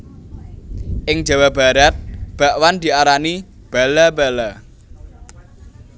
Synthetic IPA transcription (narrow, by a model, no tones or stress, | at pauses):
ʔɪŋ̥d͡ʒa̤wab̥a̤ɾat̪̚b̥a̤ʔwand̪̥i̤aɾani | b̥alabala